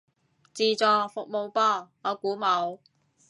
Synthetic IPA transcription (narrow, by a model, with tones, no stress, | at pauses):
t͡siː˨˧t͡sɔː˨˧fʊ˨k̚mo˨˧wpɔː˥˩ŋɔː˨˧kuː˨˥mɐ˨˧˥w